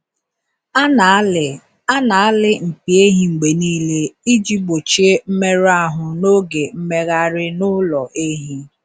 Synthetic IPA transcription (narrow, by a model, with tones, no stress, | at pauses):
a˦na˨˦˨ | a˦na˨a˦lɪ˦ŋ͡m̩˨pi˨e˦ɦi˨ŋ͡m̩˨ɡ͡be˨niː˦le˦i˦d͡ʒi˦bo˨t͡ʃi˦e˦m̩˦me˦ɾa˦ɦʊ˨no˦ɡe˨m̩˦me˦ɣa˦ɾɪ˦nʊ˦lɔ˨ʔe˦ɦi˦